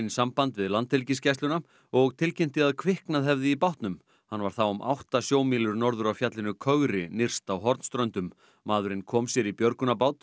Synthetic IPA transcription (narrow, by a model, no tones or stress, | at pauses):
nsampant̪vɪðlant̪hɪlcɪscɛjst̪lʏna | ɔɣt̪ʰɪlcɪm̥t̪ɪaðkʰvɪhknaðɦɛvðɪipawht̪nʏm | hanːvaɾ̥θawʏmʔa̰wht̪asjoːwmiːlʏɾnɔɾðʏɾawfjat̪lɪnʏkʰœɣɾɪnɪr̥st̪awɦɔɾt̪n̥st̪ɾœnt̪ʏmː | aːðʏɾɪnkʰɔːmsjɛɾipjœɾkʏnapaːwt̪